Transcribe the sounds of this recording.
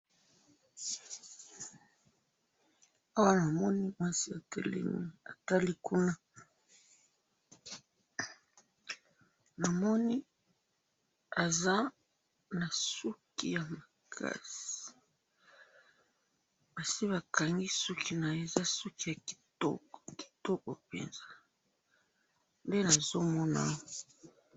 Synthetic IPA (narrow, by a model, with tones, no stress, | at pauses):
a˦wa˦na˨mɔ˦ni˦ma˦si˦a˨tʰḛ˨lɛ̰˦nḭ˦a̰˨ta˦li˦ku˦na˦ | na˨mɔ˦ni˦ | a˨za˦ | na˨su˦ki˦ja˨ma˨kʰa̰˦si̥˨ | b̥a˨si˦βa˨ka˨ŋɡi˦sɔ˦kʰi˦˨na˨e˨za˦sɔ˦ki˦ja˨ki˨tɔ̰˦kki̥˨tɔ˦kɔ˨pḛ˨nza˦ | nde˦na˨zo˦mɔ˦na̰˦˨